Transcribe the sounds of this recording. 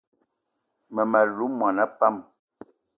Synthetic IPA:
mə˨ma˨lu˨˦mwa˨na˦pa˦m

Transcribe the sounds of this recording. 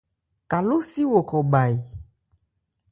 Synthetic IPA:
ka˨lo˦si˦wo˨kɔ˨ba˨i˨

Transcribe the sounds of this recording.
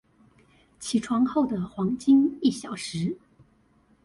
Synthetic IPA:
t͡ɕʰi˨˧˥ʈ͡ʂʰwɑ˧˥ŋxo˥˩ʊd̪ə˨˩xwɑ˧˥ŋt͡ɕi˥ŋi˥˩ɕjɑ˨˩ʊʂɻ̩˧˥

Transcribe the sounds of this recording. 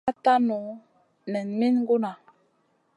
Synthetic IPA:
a˦ta˦nu˨ | nɛ˨nmi˦n˦ɡu˦na˨

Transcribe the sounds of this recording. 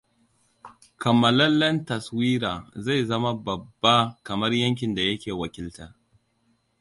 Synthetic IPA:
kʰɐ˨mːɐ˨lɐ˦nlːɐ˦ntɐ˨swiː˦ɾaː˨za˦˨jzɐ˦ma˦bɐ˨bːa˦kɐ˨mɐ˦rjɐ˦ŋk̬ʲɪ˨nda˨jɐ˦kʲeː˨wɐ˨kʲɪ˦ltɐ˦r

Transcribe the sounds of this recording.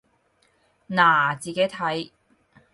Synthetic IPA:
naː˨˩t͡siː˨˩ke˨˥jt̪ʰɐ˨˥j

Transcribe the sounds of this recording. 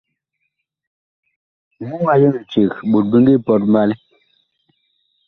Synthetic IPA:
mu˦ŋa˨jə˦˨n̩˨t͡ʃe˨ɣɓo˨t̚bə˦ŋɡi˦˨pɔ˦t̚ma˦l

